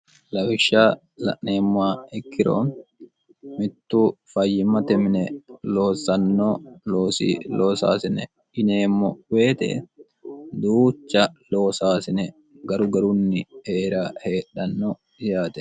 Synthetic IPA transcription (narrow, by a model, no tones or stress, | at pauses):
lɐwɪʃːaː | lɐ̰ʔneːmːʊaːɛkːɪɾo̰ː | mɪt̪ːuːfɐjːɪmɐt̪ɛmɪnɛlo̞ːsɐnːoːloːsḭːlʔoːsa̰ːsɪnɛ̰ | ɪneːmːɔweːt̪ɛ̰ | d̪uːt͡ʃːɐlo̞ːsaːsɪnɛ | ɡɐɾʊɡɐɾʊnːɪheːɾaːhe̞ːᶑːɐnːoː | ɪjaːt̪ɛ̥